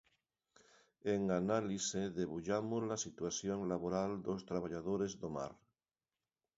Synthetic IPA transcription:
eŋanaliseðeβuʎamozlasit̪waθjoŋlaβoɾald̪ost̪ɾaβ̞aʎaðoɾezðoma̰ɾ

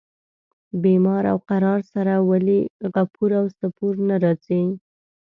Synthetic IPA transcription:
bemɑɾa̰wqaɾɑɾsaɾawaliɣapuɾawsapuɾnaɾɑt͡si

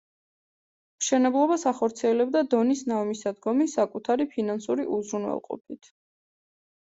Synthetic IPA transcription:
mʃɛnɛblˠɔbasaχɔɾt̪sʰiɛlɛbd̪ad̪ɔnisnavmisad̪ɡɔmisakʼut̪ʰaɾipʰinansuɾiʔuzɾunwɛ̰lˠqʼɔ̰pʰit̪ʰ

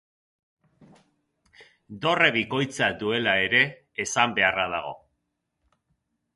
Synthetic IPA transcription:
d̪o̞re̞βiko̞jt͡sad̪ue̞lae̞ɾe̞ː | sambe̞arað̞a̰ɣ̞o̞̰

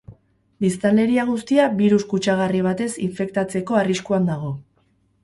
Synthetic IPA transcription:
bist̪ale̞ɾiaɣ̞ust̪iaβiɾuskut͡ʃaɣ̞ariβ̞at̪e̞siɱfe̞kt̪at͡se̞ko̞ariskuand̪aɣ̞o̞

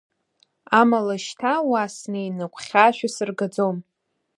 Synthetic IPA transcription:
amalaʃtʰawasneinɨkʷʰχʲaːʃᶣasɨrɡad͡zom

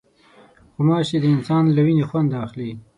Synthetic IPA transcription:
xʊmɑʃed̪əɪnsɑnlawinexwand̪ɑxli

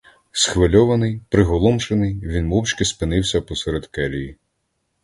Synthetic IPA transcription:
sxʋɪlʲɔʋɐnɪjpɾɪɦɔlˠɔmʃenɪjʋʲinmɔwt͡ʃkɪspɪnɪwsʲɐpɔsɛɾed̪kɛlʲiji

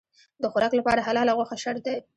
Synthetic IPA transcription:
d̪əxʊɾɑklapɑɾaɦalɑlaɣwaxaʃəɾd̪a

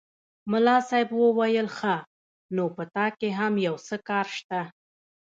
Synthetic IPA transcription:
mʊlɑsɑjbwəwajəlxa | nopət̪ɑkeɦamjawsəkɑɾʃt̪a

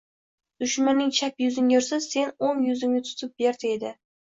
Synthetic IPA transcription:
d̪̥ʊʃmanɪŋt͡ʃʰapjʊzɪŋoɾsɪzse̞nomjʊzɪmnʲɪt̪ʰʊ̥t̪ʰʊp̚be̞ɾd̪ɪed̪ɪ

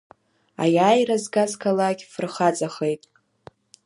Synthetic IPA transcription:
a̰jaːjrazɡazkʰalaɡʲfrχat͡sʼaχejtʼ

